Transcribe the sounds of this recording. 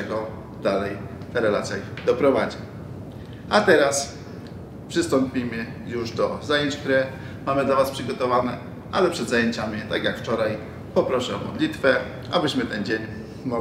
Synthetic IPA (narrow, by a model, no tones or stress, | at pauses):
ɛɡɔ | d̪alɛjt̪ɛɾɛla̰t̪sʲjad̪ɔpɾɔvad͡ʑi | at̪ɛɾas | pʂɘst̪ɔmpʲimɘ | juʐd̪ɔzajeɲt͡ɕkt̪uɾɛ | mamɘd̪lavaspʂɘɡɔt̪ɔvanɛ | ʔa̰lɛpʂɛd̪zajeɲt͡ɕamʲit̪aɡjakft͡ʂɔɾaj | pɔpɾɔʂɛɔmɔ̰d̪lʲit̪fɛ | a̰bɘɕmɘt̪ɛnd͡ʑeɲ | mɔ